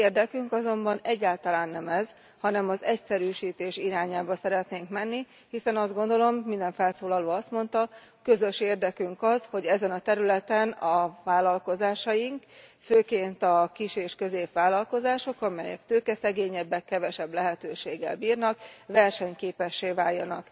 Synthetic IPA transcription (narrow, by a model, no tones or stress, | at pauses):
eːrd̪ɛkyŋkɒzo̞mbɒnɛɟːaːlt̪ɒlaːnːɛmɛz | hɒnɛmɒzɛcsɛɾyːʃiːt̪eːʃiɾaːɲaːbɒsɛɾɛt̪neːŋkmɛnːi | hisɛnɒzd̪ɡo̞nd̪o̞lo̞mːind̪ɛɱfɛlsoːlɒloːɒst̪mo̞nt̪ɒkø̞zø̞ʃeːrd̪ɛkyŋkɒzho̞ɟɛzɛnɒt̪ɛɾylɛt̪ɛnɒvaːlɒlko̞zaːʃɒjiŋkføːkeːnt̪ɒkiʃeːʃkø̞zeːpʋaːlɒlko̞zaːʃo̞kɒmɛjɛ̰kt̪øːkɛsɛɡeːɲɛbːɛkːɛvɛʃɛblɛɦɛt̪øːʃeːɡːɛ̰lbiːrnɒkvɛrʃɛɲkeːpɛʃːeːvaːjːɒnɒk